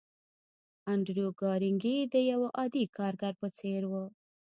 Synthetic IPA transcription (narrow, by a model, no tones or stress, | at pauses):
aɳɖɾjoɡɑɾiŋɡid̪əjawaʔɑd̪ikʰɑɾɡaɾpət͡seɾwə